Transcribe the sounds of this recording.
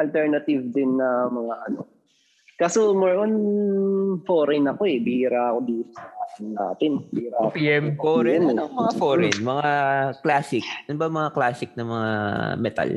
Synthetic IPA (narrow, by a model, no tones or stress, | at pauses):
ʔɐlt̪ɛɹnɐt̪ɪvd̪ɪnːɐmɐŋaʔɐno̞̰ | kasomɐɹʔon | foːɾɪnɐko̞ɛbiɾaɐkobisaːʔɐnːa̰ːt̪ɪnbiːɾapiɛmkoɾɛnɐkomɐŋafoɾɛnmɐŋaklaːsɪk̚ʔɐnʊbɐmɐŋaklaːsɪk̚nɐmɐŋa̰mɛt̪a̰l